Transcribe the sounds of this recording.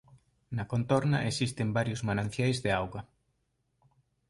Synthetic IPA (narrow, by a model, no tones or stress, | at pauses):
nɐkont̪ɔɾnɐʔesist̪ɪmbaɾjʊzmanãn̟θjajzðeawɣɐ